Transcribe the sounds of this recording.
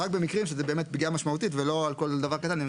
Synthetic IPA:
ak̚be̞mikʁimʃezebe̞ːme̞t̪̚bɡiamaʃmaut̪itvelo̞alko̞ld̪avaʁkat̪ane

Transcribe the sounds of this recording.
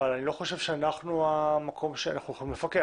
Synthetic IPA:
alanilo̞χo̞ʃe̞v̥ʃeanaχnuamakʰo̞mʃea̰naχnujoimlefake

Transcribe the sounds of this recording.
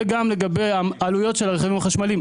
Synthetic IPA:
ɡamle̞ɡabe̞jaalujo̞tʃelaʁeχavimaχaʃmalim

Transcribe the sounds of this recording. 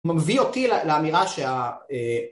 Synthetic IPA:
mamvio̞t̪ileleamiʁaʃeae

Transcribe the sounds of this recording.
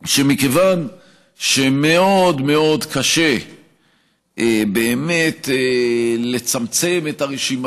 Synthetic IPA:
ʃe̞mikevan | ʃeme̞o̞dme̞o̞dkaʃe̞ | beːme̞tele̞t͡samt͡se̞me̞taʁeʃim

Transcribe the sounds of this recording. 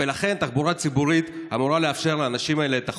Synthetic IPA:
elaχe̞nt̪aχbuʁat͡sibuʁit̪amuʁaleafʃe̞ʁleːnaʃimaelet̪a

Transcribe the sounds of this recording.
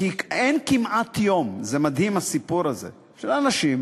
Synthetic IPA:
ienkimʔat̪jo̞mzemad̪himasipuɾazḛ | ʃlanaʃim

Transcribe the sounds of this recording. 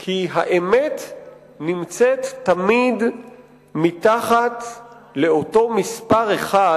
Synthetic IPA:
kʰiɦaʔemet̪ | nimt͡set̪ːamid | mitaχat̪ | le̞o̞to̞mispaʁeχa

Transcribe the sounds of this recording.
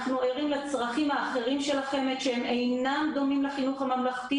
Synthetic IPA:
χnueʁimlet͡sʁaχimaːχe̞ʁimʃe̞laχe̞met̪ʃeeme̞jnamd̪o̞mimleχinuχamamlaχt̪i

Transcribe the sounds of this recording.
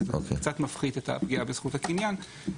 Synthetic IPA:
veo̰kekt͡sat̪mafχidetʰa̰pɡiabesχuthakinjan

